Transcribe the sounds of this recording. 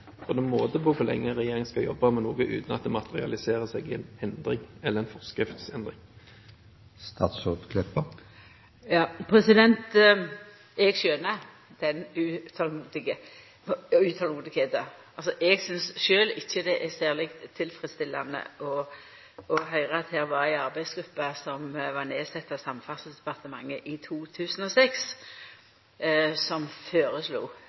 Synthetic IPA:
pʰɔd̪ɛnmoːt̪əpɔkʰʊʁlɛ̰ŋːəʁɛjeːɾɪŋskɑjɔ̰bːɑmɛnoːɡəʔʉ̰ːt̪nɑt̪̚d̪ɛmɑt̪ʰəʁɪɑ̰lɪseːʁəsɛɡɛnɛnd̪ʁɪŋɛləɾɛnfɔʁskʁɪft̪sɛnd̪ʁɪŋ | st̪ɑ̰ːt̪sod̪kʰlœpə | jɑːpʰɾɛsɪd̪ɛnt̪ | ɛɡʃøːnə | d̪̥ɛnʉːt̪ʰɑlmuːd̪ɪɡə | ʉːt̪ʰɑlmuːd̪ɪkʰeːt̪əɑlsɔʔɛɡsʏnsʃøːlɪçːəd̪ɛʔæsæːʁlɪkt̪ʰːɪlfɾɪd̪st̪ɪlːɑ̰nə̰ʔɔ | ɔɦœʏʁəɑt̪hæːɾʋɑɾæɪɑʁbæɪsɡɾʉpːɑsɔmʋɑɾneːsɛt̪ːɑʋsɑmːfɑsəsd̪ɛpɑʁt̪əmɑŋːəʔɪt̪ʰuːt̪ʰʉːsən̩ɔsɛks | sɔmføːɾəslṵː

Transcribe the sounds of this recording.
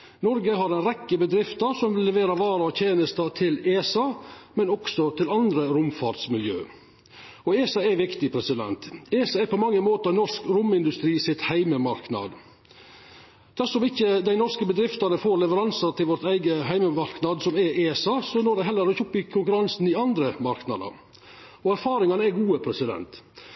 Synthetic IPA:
nɔɾɡəɦɑɾɛnɾɛkːəbəd̪ɾɪft̪əɾsɔmʋɪlːɛʋeːɾɑʋɑːɾəɔt̪ʰjeːnəst̪ɑt̪ʰɪleːsɑmɛnɔksɔt̪ʰɪlɑnd̪ɾəɾʊmfɑɾʈ̪smɪljø̰ː | ɔeːsɑɛʋɪkt̪ɪpʰɾɛsɪd̪ɛ̰nt̪eːsɑɛɾpʰɔmɑŋːəmoːt̪ənɔʂkɾʊmɪnd̪ʉst̪ɾiːsɪt̪hæɪməmɑɾknɑ̰d̪ | d̪̥æʂɔmɪçəd̪æɪnɔɾʂkəbəd̪ɾɪft̪ɑnəfoːɾlɛʋəɾɑnsɑt̪ʰɪlʋɔɾt̪æɪɡəɦæɪməmɑɾknɑd̪sɔmɛʔeːsɑsɔnɔɖæɛɦɛlːəɾɪçʊpːɪkʰʊŋkʉɾɑnsnɪɑnd̪ɾəmɑɾknɑ̰d̪ə̰ɾ | ɔæɾfɑːɾɪŋɑnəɛɡuːəpʰɾɛsɪd̪ɛ̰nt̪

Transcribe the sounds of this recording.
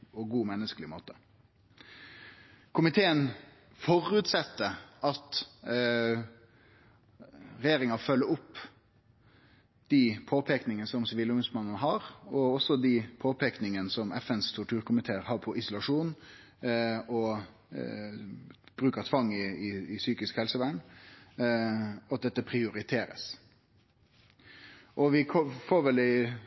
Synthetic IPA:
ɔɡuːmɛnːəskəlɪmo̰ːt̪ə | kʰʊmɪt̪ʰeːən | fɔɾʉːt̪sɛt̪ːəʔɑt̪ | ɾɛjeːɾɪŋɑfœlːəɾʊpː | d̪̥ipʰoːpʰeknɪŋənəsɔmsɪʋiːlʊŋɡʉsmɑnːənɦɑːɾɔɔsːɔd̪ipʰoːpʰeːknɪŋənsɔmʔɛfɛnst̪ʰʊʈʰʉːɾkʊmɪt̪ʰeːɾhɑːɾpʰɔʔɪsʊlɑʂuːn | ɔ | b̥ɾʉːkəɾt̪ʰʋɑŋːɪɪːsyːkɪskhɛlsəʋæɳ | ɑt̪̚d̪ɛt̪ːəpʰɾɪʊɾɪt̪ʰeːɾə̰s | ʔɔʋɪkʰɔfoːɾʋɛlæɪ

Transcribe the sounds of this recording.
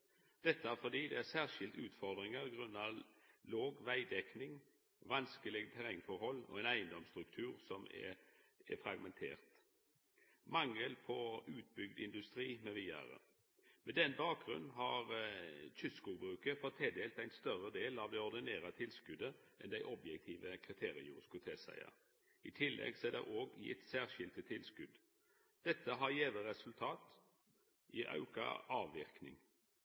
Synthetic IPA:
d̪̥ɛt̪ːəæʁfɔd̪iːd̪ɛæsæːʁʃɪld̪ʉːt̪fɔʁd̪ʁɪŋəʁɡʁʉnːɑloːɡʋæɪd̪ɛknɪŋ | ʋɑnskəlɪɡət̪ʰæʁɛŋfɔɾhɔlːɔ̰ɛɪnæɪənd̪ɔmst̪ʁʉkt̪ʰʉːʁsɔmɛ̰ɛfɾɑɡmɛnt̪ʰḛːʁt̪ | mɑŋːəlpʰɔʉːt̪̚bʏɡd̪ɪ̰nd̪ʉst̪ʁiːmɛʋiːæ̰ːʁə̰ | mɛd̪ɛnbɑːk̚ɡʁʉ̰nnɦɑʁt͡ʃʰʏskʊbʁʉːkəfɔt̪ʰːeːd̪eːlt̪æɪnst̪œɾəd̪eːlɑʋd̪ɛɔɾd̪ɪneːʁɑt̪ʰɪlskʉd̪əʔɛnd̪æɪʔɔbjɛk̚t̪ʰiːʋəkʰʁɪt̪ʰeːʁɪəjṵːɾəskʉt̪ʰeːsæ̰ɪə̰ | ɪt̪ʰɪlːʔɛ̰ɡsɛd̪ɛ̰ʔoːɡjɪ̰t̪ːsæːʁʃɪlt̪ət̪ʰɪlskʉd̪ | d̪̥ɛt̪ʰːəɦɑɾjeːʋəɾɛsʉlt̪ʰɑːt̪ | ʔɪʔɑ̰ʉkɑ̰ʔɑːʋːɪʁknɪ̰ŋ

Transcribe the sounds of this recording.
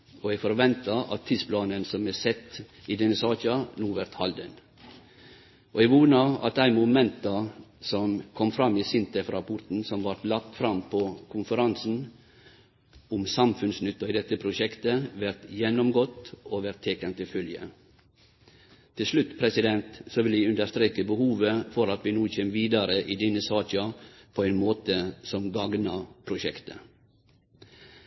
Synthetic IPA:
oːɛɡfɔɾʋɛnt̪ɑɑ̰t̪ʰːid̪spʰlɑːnənsɔmɛsɛt̪ːiːd̪ɛnːəsɑːçɑnuːʋæɾt̪hɑld̪ən | ʔoɛɡʋuːnɑɑ̰t̪̚æɪmʊmɛnt̪ɑsɔmkʰɔmfɾɑmːiːsɪnt̪əfɾɑːpʰʊɾʈ̪n̩sɔmʋɑɾʈ̪lɑk̚t̪fɾɑmpʰɔkʰʊnfəɾɑnsn̩ | ʊmsɑmfʉnsnʏt̪ːɑiːd̪ɛt̪ːəpʰɾʊʃɛkt̪əʋæɾt̪jɛnːɔmɡɔt̪oːʋæɾt̪ʰːeːkənt̪ʰɪfœljə̰ | t̪ʰɪlʂlʉt̪ːpʰɾɛsɪd̪ɛnt̪soːʋɪljæʉnd̪əst̪ɾeːkəbəhuːʋəfɔɾɑt̪ʋiːnuːçeːmʋiːd̪ɑɾəʔiːd̪ɛnːəsɑːt͡ʃɑpʰoːɛɪnmoːt̪əsɔmɡɑɡnɑpʰɾʊʃɛkt̪ə̰

